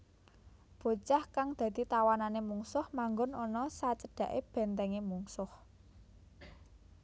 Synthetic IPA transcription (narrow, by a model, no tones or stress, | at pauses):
b̥o̤t͡ʃahkaŋd̪̥ä̤d̪̥i̤t̪awananemuŋsʊhmaŋɡʊnɔnɔsat͡ʃəd̥ä̤ʔḛb̥ɛ̤nt̪ɛŋemuŋsʊh